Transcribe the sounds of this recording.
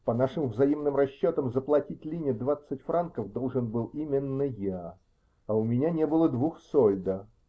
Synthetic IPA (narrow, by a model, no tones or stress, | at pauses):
pɐnaʂɨmvzɐimnɨmrɐɕːot̪əmzəplˠɐtʲit̚ʲlʲinʲɪjəd̪vat̪sɨtʲfɾʔankəvd̪olˠʐɨnbɨlˠimʲɪnːəja | ɐʊmʲɪnʲanʲebɨlˠəd̪vuxsolʲd̪ə